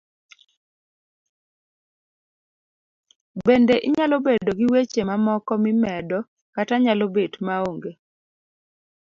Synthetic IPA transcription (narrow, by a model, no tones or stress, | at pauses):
bendeʔɪɲalobedoɡiwet͡ʃemamɔkɔmɪmɛdɔ | kataɲalobetmaoŋɡe